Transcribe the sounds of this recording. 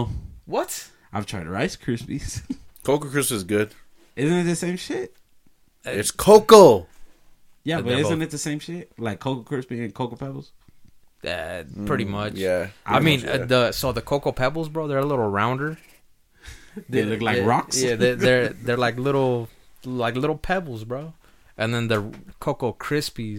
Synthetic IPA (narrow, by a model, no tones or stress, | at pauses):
wʌt | aɪvtʰɹ̥aɪtəɹa̰ɪskʰɹ̥ʉspiz̥kʰoʊkkʰɹ̥ɪsɨzɡʊd̥ | ʔɪzɨ̃nɨt̪̚ðɨsẽɪ̃mʃɪt̚ | ɪtskʰoʊklˠ | jæbʌɾɪɨ̃nɨt̪̚ðɨsẽɪ̃mʃɪt̚laɪkʰoʊkl̩ˠkʰɹ̥ʉsb̥iɨ̃nkʰoʊkl̩pʰɛbl̩ˠz̥ | jæ̰pʰɹ̥ɪɾimʌt͡ʃæʔaɪmĩnʌðəsoʊðɨkʰoʊkl̩ˠpʰɛbl̩ˠzbɹoʊðə˞əlɪɾl̩ˠɹãʊ̃ndə˞ | ðllʊklaɪkɹɑksjæðəə˞ðə˞laɪk̬lɪɾl̩ˠlaɪklɪɾl̩ˠpʰɛbl̩ˠzbɹoʊ | ʔɨ̃nðɨ̃nðɨkʰoʊkl̩ˠkʰɹ̥ɪspi